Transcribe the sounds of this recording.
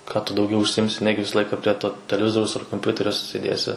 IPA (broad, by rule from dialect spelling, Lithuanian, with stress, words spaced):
kɑː tʊ dɐʊˈɡʲɛʊ ʊʃʲsʲɪˈjɪmʲsʲɪ ˈnʲæːɡʲɪ ˈʋʲɪsɐ ˈlˠɐɪkɐ pʲrʲiɛ toː tʲɛlʲɛˈʋʲɪzoːrʲɛʊs ɐr koːmʲˈpʲʊtʲɛrʲoː sʲeːˈdʲeːsʲɪ